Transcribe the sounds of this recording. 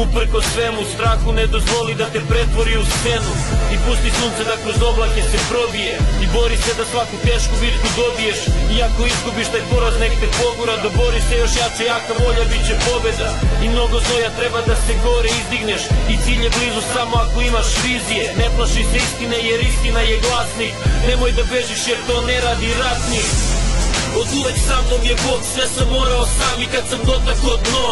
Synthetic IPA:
upɾkosʋemust̪ɾaxuned̪o̞zʋo̞lid̪at̪e̞pɾe̞t̪ʋo̞ɾiust̪se̞nuipust̪isuːnt̪sed̪akɾo̞zo̞blˠake̞sepɾo̞bijeibo̞ɾised̪asʋakut̪eːʃkubit̪kud̪o̞bijeʃiakoizɡubiʃt̪ajpoɾaznekt̪epo̞ɡoɾad̪abo̞ɾisejo̞ʃjat͡ʃejaːkabo̞ʎabit͡ɕepo̞be̞d̪aimnoɡod̪nojat̪ɾɛbad̪asɛɡoɾɛizd̪iɡnɛʃit̪siːʎjɛblizusamoakoimaʃɾizijenɛplˠaʃisɛist̪inejeɾist̪inajeɡlˠasniknɛmojd̪abeʒiʃjɛɾt̪onɛɾad̪iɾat̪ni | od̪uʋeksamnoɡjɛboksvɛsamːoɾaosaikat̪samkod̪nakod̪no

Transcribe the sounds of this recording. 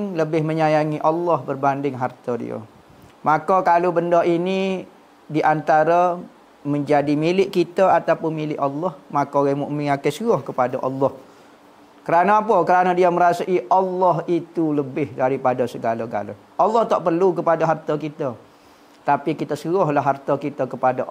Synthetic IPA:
ŋləbɪhməɲajaŋiʔɑlːɔhbərbandɪŋɦart̪ədḭə̰ | makəkalobəndaini | diʔant̪aɾa | məɲd͡ʒadimilɪʔkit̪əat̪apʊnmilɪʔalːɔhmakoɣamuʔmɪ̃ŋakəsuɣɔhkəpadaʔɑ̰lːɔh | kəɾanaapəkəɾanadiəməɾasaʔiʔɑlːɔɦit̪uləbɪhdaɾipadasəɡalaɡa̰lə̰ | ʔɑlːɔht̪aʔpərlukəpadaɦart̪akit̪ə | t̪apikit̪əsəɣɔhlaɦːart̪akit̪əkəpada

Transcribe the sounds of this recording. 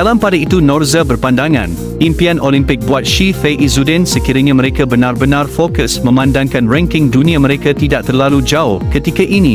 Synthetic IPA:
dalampadait̪unɔrzəbərpandaŋã̰n | impianʔolimpɪk̚buat̪̚ʃifeʔizudɛnsəkiɾaɲãmə̃ɾekabənãrbənãrfokəsmə̃mãndaŋkanrɛ̃ŋkɪŋdunĩamə̃ɾekat̪idaʔ̚t̪ərlalud͡ʒaʊhkət̪ikaʔinĩ

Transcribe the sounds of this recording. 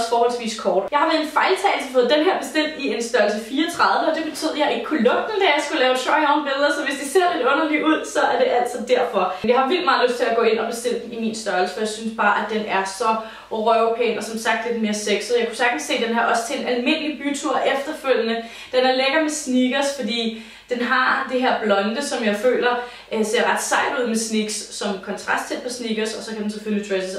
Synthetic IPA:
sfɒːhɒl̰sʋḭːskʰɒːd̥jɑ̈ɪhɑ̈ʋæɐenfɑ̈ɪlt͡sʰɛ̰ɪsfoðˠd̥enɦæɐ̰b̥e̝sd̥el̰d̥ie̝nsd̥ɶɐlsəfiːɐɒt͡sʰʁɑ̈ð̞ˠʋəɒ̽d̥e̝b̥e̝t͡sʰy̰ð̰ˠɐjɑ̈ɪeɡ̥̚kʰulɔ̽b̥̚d̥n̩d̥æjɑ̈ɪsɡ̥ulɛːʊɕɒɒʊnb̥eðˠʁɐsɒ̽ʋe̝sd̥ise̝ɐ̰le̝d̥ɔ̽nɐliʔuð̞̰ˠsɒ̽æɐde̝ʔæl̰sɒd̥æɐ̰fɒ̽njɑ̈ɪhɑ̈ʋil̰d̥mɑ̈ːð̩ˠløsd̥t͡sʰe̝æɡ̥ɔ̽ːe̝nɒ̽b̥e̝sd̥e̝l̰əd̥n̩imiːnsd̥ɶɐl̩səfɒjɑ̈ɪsynsb̥ɑ̈ːʔæd̥enæɐsɒ̽ | ʁœopʰḛɪnɒ̽sɒ̽msɑ̈ɡ̥̚d̥le̝d̥me̝ːɐseɡ̥sð̩ˠjäkʰu̥sæɐɡ̥n̩se̝̰ːd̥enɦɑ̈ʔɒ̽sə̥t͡sʰe̝enælme̝n̰əlib̥yt͡sʰuɐ̰ʔefd̥ɐføl̰jənə | d̥enæɐleɡ̥ɐmesniɡ̥ɐsfɒ̽d̥ḭː | d̥enɦɑ̈d̥eɦeɐ̰b̥lɒ̽nd̥əsɒ̽mjɑ̈ɪfø̰ːlɐ | se̝ɐʁɑ̈d̥sɑ̈ɪ̰d̥uð̞̰ˠmesniɡ̥sːɒ̽mkʰɒ̽nt͡sʰʁɑ̈sd̥t͡sʰed̥̚pʰɒ̽sniɡ̥ɐsɒ̽sɒ̽kʰæden̩sefølit͡sʰʁɛsəs

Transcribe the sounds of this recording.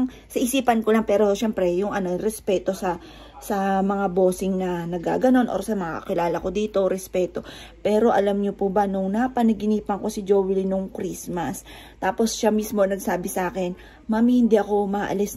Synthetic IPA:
ŋ | sɐʔɪsiːpɐnkolɐŋpɛːɾo̞ʃɛmpɾɛjʊŋʔɐno̞ɾɛspɛːt̪o̞sɐ | sɐmɐŋabo̞ːsɪŋnɐnɐɡa̰ːɡɐno̞nʔo̰ːɾɐsɐmɐŋakɐ̰kɪlaːlɐko̞d̪iːt̪o̞ɾɛspɛːt̪o̞ | pɛːɾo̞ʔɐlamɲopubɐnʊŋnɐpɐnɐɡɪniːpɐŋko̞sɪd͡ʒowɪlinʊŋkɾismɐs | t̪aːpo̞sʃamismo̞nɐɡ̚saːbɪsʔaːkɛn | maːmhɪnd̪iʔɐko̞mɐʔɐ̰lɪs

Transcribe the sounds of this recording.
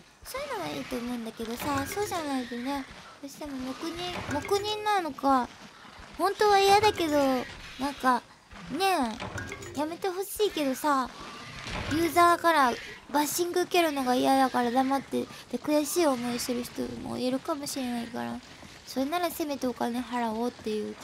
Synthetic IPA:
so̞ːjɯ̟no̞βaiːt̪o̞ːmo̞ɯ̃nd̪ake̞d̪o̞saso̞ːʑanaid̪ene̞ | d̪̥o̞ːɕi̥t̪e̞mo̞mo̞kɯ̟ɲ̟ĩmo̞kɯ̟ɲ̟ĩnːano̞ka | hõ̞nt̪o̞βaijad̪ake̞d̪o̞nãŋka | ne̞ | jame̞t̪e̞ho̞ɕiːke̞d̪o̞sa | jɯ̟ːzaːkaɾabaɕĩŋɡɯ̟ːke̞ɾɯ̟no̞ɡaijad̪akaɾad̪amat̪ːe̞d̪̥ekɯ̟jaɕiːomo̞iɕt̪eɾɯ̟çi̥t̪o̞̰mo̰eɾɯ̟kamo̞ɕiɾe̞naika̰ɾa̰ | so̞ɾenaɾase̞met̪oːkaneɦaɾao̞ːt̪ːe̞jɯ̟ː

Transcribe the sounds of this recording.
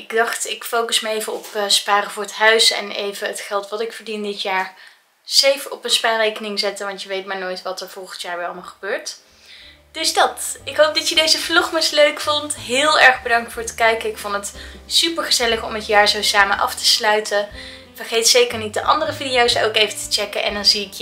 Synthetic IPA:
ɪɡdɑχtɪkfowkəsməejvəɔpːspaːrəvʊːɹətɦœɥsɛ̰nḛjvəətχɛlˠtʋɑtɪkfəɹdindɪtjaːɹ | sejfəɔpənspaːrejkənɪŋzɛtəʋɑntjəʋejtmaːɹnoːjtʋɑtəɹv̥ɔlˠχəntjaːɹʋɛlməχəbøːɹt | d̥ɵzdɑtɪkɦowp̚dɑtjədejzəflɔχməsløɥkfɔntɦɪːlˠɛɹχbədɑŋktfʊːɹtkɛjkəɪkfontətsypəɹχəzɛləχɔmətjaːɹzowsaːmənʔɑ̰ftə̥slœɥtʰə | v̥əɹχejtsejkəɹnit̚dəʔɑ̰ndərəvidijowso̰wkejvətə̥t͡ʃɛkənʔɛ̰ndɑnziɪkj

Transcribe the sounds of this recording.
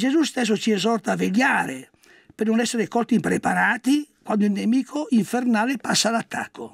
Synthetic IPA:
d͡ʒezust̪ɛs̬ːot͡ʃiezɔrt̪aːveʎjaːɾe | pernonɛsːeɾekɔlt̪impɾepaɾaːt̪ikwand̪oilnemiːkʰoiɱfernaːlepasːalat̪ʰːa̰kːo

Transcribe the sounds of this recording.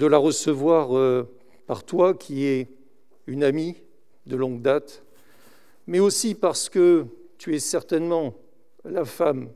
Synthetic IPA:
d̪əlaʁəsəvwaʁø | pa̰ʁt̪wakʲʰiɛ | ynami | d̪əlɔ̃ɡ̚d̪at̪ | mɛosipaʁsə̥kə | t̪yɛsɛʁt̪ɛnmɑ̃ | lafam

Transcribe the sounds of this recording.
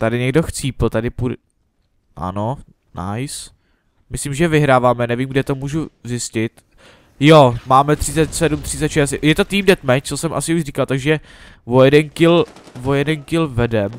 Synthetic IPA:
t̪adɪɲɛɡdoxt͡siːpl̩t̪adɪpu | ʔa̰no | na̰js | mɪslimʒɛvɪɦɾaːvaːmɛnɛviːmɡdɛt̪omuːʒuzɪscɪt̪ | jomaːmɛt̪r̝̥ɪt͡sɛt̪sɛdumt̪r̥ɪt͡sɛt̪ʃɛstjɛt̪ot̪iːmdɛt̪mɛt͡sosɛmʔa̰sɪuʒriːkalt̪aɡʒɛ | vojɛdɛnkɪl | vojɛdɛnkɪlvɛdɛm

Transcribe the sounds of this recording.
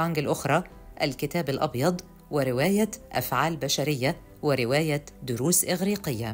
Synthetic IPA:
aŋɡɪlʔʊxɾˤɑː | ʔalkɪt̪æːbalʔɑ̰bjɑd̪ˤ | wɪɾɪwæːjaʔa̰fʕaːlbaʃaɾɪjːa | wɪɾɪwæːjad̪ʊɾuːsʔɪɣɾiːqɪjːa

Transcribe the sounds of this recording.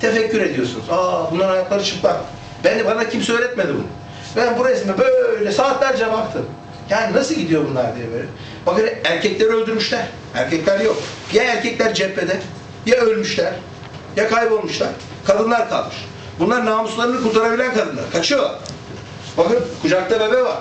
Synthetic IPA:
t̪ʰe̞fɛcːyɾe̞d̪ijo̞sunṵzaːbunlˠaɾhajak̪lˠaɾɯt͡ʃʰɯklˠan | bænd̪ibanacʰimsø̞jlʲɛt̪̚med̪ibṵnu | bænbuɾajisimmibø̞jlʲɛɛøjylʲɛsaːt̪lʲˠaæɾd͡ʒevap̚t̪ʰɯm | jaːninasɯlˠɟid̪ijo̞bunlˠaɾd̪iɾɛbeɾi | bakɯnæɾcʰɛclʲeɾølʲd̪yɾmyʃlʲæɾ̥ | æ̰ɾcʰɛclʲæɾjo̞kjaæɾcʰɛclʲæɾd͡ʒɛpʰːed̪ɛ | jaølʲmyʃlʲæɾ̥ | jakʰajbo̞lˠmuʃlˠaɾ | kʰad̪ɯnlˠaɾkʰa̰lˠmɯʃ | bunlˠaɾnaːmuslˠaɾɯnɯkuɾt̪ʰaɾabilʲænkʰad̪ɯnlˠa̰ɾɯkʰat͡ʃʰɯjo | bakɯnkʰud͡ʒak̚t̪ˠaɾabɛvaɾ

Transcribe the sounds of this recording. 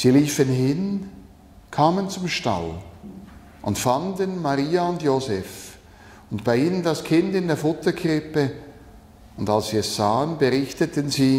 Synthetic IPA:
z̥iːliːfənɦɪn | kʰaːmənt͡sʊmʃta̰l | ʔʊntfandənmaʁiːaʊndjoːzɛf | ʊntb̥aɪiːnəndaskʰɪndɪndeːɐfʊtɐkʰʁɪpə | ʊndalssiːɛsz̥aːənbəʁɪçtətənziː

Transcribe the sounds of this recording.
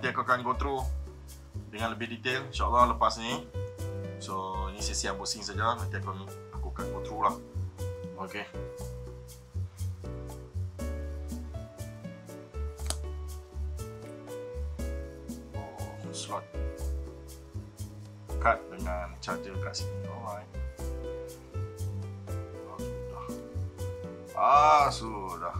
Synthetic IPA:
ət̪iakokankot̪ɾo | dəŋãnləbɪdit̪elinʃaʔalːɑhləpasnĩ | soinĩsisiabosiŋsad͡ʒamant̪iakoni | akokat̪̚ɡot̪ɾolah | oke | okunslɔt̪̚ | kat̪̚dəŋant͡ʃad͡ʒəkaʔsiidaa | okelah | ʔasolah

